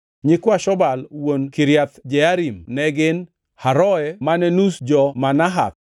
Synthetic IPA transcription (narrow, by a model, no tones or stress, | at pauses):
ɲɪkwaʃɔbalwonkiɾjat̪d͡ʒɛaɾimnɛɡɪn | haɾɔɛmanɛnusd͡ʒɔmanaɦa̰k̚